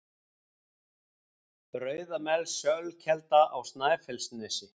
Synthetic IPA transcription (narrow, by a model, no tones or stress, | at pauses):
pɾœːɥðamɛlsœɣlcʰɛlt̪aʔawst̪naːjfɛlsnɛsɪ